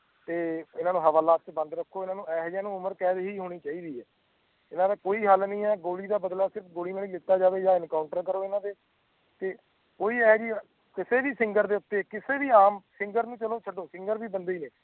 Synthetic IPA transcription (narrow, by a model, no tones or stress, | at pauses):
t̪eːɪnãːnũːɦəʋaːlaːt̪̚t͡ʃbə̃nd̪ɾəkʰːoːɪnãːnũːɛːɦd͡ʒãːnũːʊməɾkɛːd̪ɦiːɦoːɽ̃iːt͡ʃaːiːd̪iːɛː | ɪnãːd̪aːkoːiːɦəlnĩːɛːɡoːɽiːd̪aːbəd̪laːsɪɾəpʰɡoːɽiːnaːliːlɪt̪ːaːd͡ʒaːʋeːd͡ʒaːɪnkaːʊɳʈəɾkəɾoːɪnãːd̪eː | t̪eː | koːiːɛːɦɡiːa | kɪseːʋiːsɪŋɡəɾd̪eːʊt̪ːeːkɪseːʋiːaːmsɪ̃ŋɡəɾnũːt͡ʃəloːt͡ʃʰəɖoːsɪ̃ŋɡəɾbiːbənd̪eiːneː